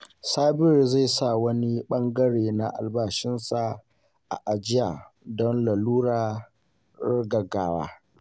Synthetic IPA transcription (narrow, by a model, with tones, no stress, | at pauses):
saː˦bɪ˦˨rza˦˨sa˦˨wɐ˦ni˦ɓɐ˦ŋɡɐ˦ɽeː˨na˨ʔa̰˨lbaː˦ʃɪ˦nsa˨ | ʔa̰˨ʔa˨d͡ʒɪ˦jaː˨ | dɔ˦nla˨luː˦ɽaː˨ | ɽɐ˦ɡɐ˨ɡaː˦wa̰ː˦